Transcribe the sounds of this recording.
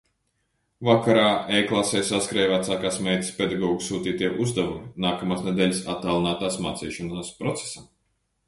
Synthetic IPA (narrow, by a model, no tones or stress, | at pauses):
vakaɾaːɛjklˠasɛjsaskɾɛjvat̪saːkaːsmɛjt̪ʲi̥spʲed̪aɡɔːɡusuːt̪iːt̪iɛʔuzd̪avuminaːkamaːsnɛd̪ʲɛːlʲsat̪ːaːlˠinaːt̪aːsma̰ːt̪sḭːʃɔnaːspɾɔt̪se̥sam